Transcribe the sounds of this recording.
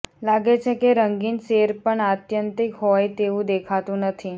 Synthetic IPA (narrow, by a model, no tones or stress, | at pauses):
laɡet͡ʃʰekeɾəŋɡinseɾpəɳat̪jənt̪ikɦɔjt̪eʋũd̪ekʰat̪ũnət̪ʰi